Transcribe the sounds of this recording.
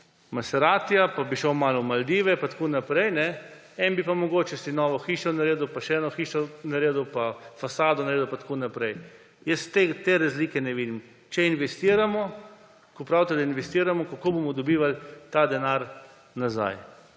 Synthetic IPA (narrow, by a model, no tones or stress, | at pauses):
masɛɾaːt̪iapabiʃɔwmaːlɔmald̪iːʋɛpat̪ḁkoːnapɾɛjnɛ | ɛnbipamɔɡoːt͡ʃɛsinɔːʋɔxiːʃɔnaɾeːd̪upaʃɛɛːnɔxiːʃɔnaɾeːd̪upafasaːd̪ɔnaɾeːd̪upat̪konapɾɛj | jəst̪et̪eːɾazliːkɛnɛʋiːd̪im | t͡ʃɛinʋɛst̪iːɾamɔ | kɔpɾawt̪ɛd̪ainʋɛst̪iːɾamɔkakoːbomɔd̪ɔbiːʋalt̪ad̪ɛnaɾ | naza̰j